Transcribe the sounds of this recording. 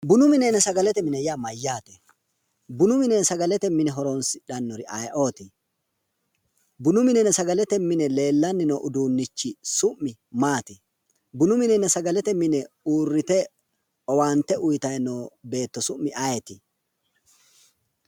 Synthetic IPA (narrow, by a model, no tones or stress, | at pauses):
bʊnʊmɪnɛnɛsɐɡɐlɛt̪ɛmɪnɛjamɐjːaːt̪ɛ | bʊnʊmɪnɛnsɐɡɐlɛt̪ɛmɪnɛɦɔɾonsɪ̥ᶑɐnːɔɾɪʔɐjʔo̞ːt̪ɪ | bʊnʊmɪnɛnɛsɐɡɐlɛt̪ɛmɪnɛle̞ːlːɐnːɪnɔʔʊd̪uːnːɪt͡ʃːɪsʊmːɪmaːt̪ɪ | bʊnʊmɪnɛnɛsɐɡɐlɛt̪ɛmɪnɛ | uːrːɪt̪ɛ | ɔwaːnt̪ːɛʔʊjt̪ɐjnoːbe̞ːt̪ːɔsʊʔmːɪʔɐjɛt̪ɪ